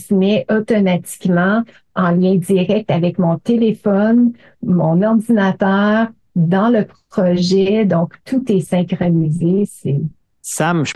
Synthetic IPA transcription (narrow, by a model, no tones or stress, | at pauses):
smɛʔɔt̪ɔmat̪i̥kmɑ̃ | ɑ̃ljɛ̃d̪iʁɛk̚t̪avɛkmɔ̃t̪elefɔn | mɔ̃nɔʁd̪inat̪œːʁ | d̪ɑ̃ləp | ɔʒɛd̪ɔ̃kt̪ʰut̪ɛsɛ̃kχɔnizesɛ | samʃ